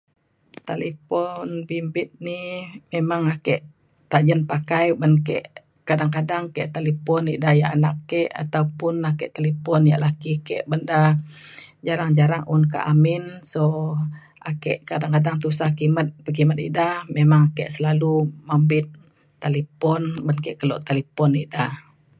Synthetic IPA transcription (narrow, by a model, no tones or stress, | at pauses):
t̪alepɔnbimbɪt̪̚nimemaŋakɛʔ | t̪ad͡ʒənpakajbənkɛ̰ʔ | kadaŋkadaŋkɛʔt̪alepɔnidahjaʔanakːɛʔa̰t̪aupʊnakɛʔt̪alepɔnjaʔlakikɛʔbənda | d͡ʒaɾaŋd͡ʒaɾaŋʔunka̰ʔamɪnso | akɛʔkadaŋkadaŋt̪usakimət̪̚pək̬imət̪ḭdahmemaŋakɛʔsəlalumambɪt̪̚ː | alepɔnbənkɛʔkəlɔ̰ʔt̪alepɔniʔdah